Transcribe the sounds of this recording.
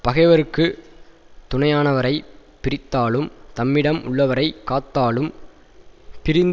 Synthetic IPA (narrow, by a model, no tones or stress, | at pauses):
pɐɣɐɪʋɐɾɯkːɯ | t̪ʊɳɐjaːnɐʋɐɾɐɪpːɪɾɪt̪ːaːɭɯmt̪ɐmːɪɽɐmʔʊ̰ɭːɐʋɐɾɐɪkːaːt̪ːaːɭɯm | pɪɾɪnd̪